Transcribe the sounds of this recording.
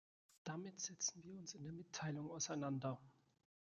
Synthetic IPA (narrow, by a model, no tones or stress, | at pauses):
d̥amɪtz̥ɛt͡sn̩viːɐʊnsɪndeɐmɪtʰːaɪlʊŋaʊsaɪnandɐ